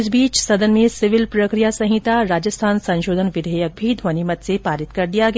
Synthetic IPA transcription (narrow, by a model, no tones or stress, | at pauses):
s̬biːt͡ʃsɐd̪ənmẽsɪʋɪlpɾəkɾijasɐ̃ɦɪt̪aɾaːd͡ʒəst̪ʰaːnsɐ̃ñʃoːd̪ʱənʋɪd̪ʱəjək̚bʱid̪ʱʋənimət̪sepaːɾɪt̪kɐɾd̪ijaɡe